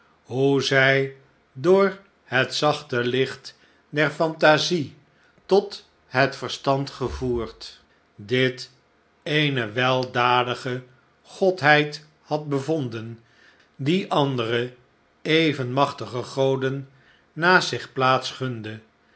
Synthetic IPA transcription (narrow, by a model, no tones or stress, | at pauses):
ɦuzɛj | dʊːɹ | hətsɑχtəlɪχt | dɛɹfɑntazi | tɔt | ɦətfəɹstɑntχəvuːɹt | dɪt | ejnəʋɛlˠdaːdəχə | χɔtɦɛjt | hɑd̚bəvɔndən | diʔɑndərə | ejvənmɑχtəχəχowdənː | aːsɪχplaːtsχʏndə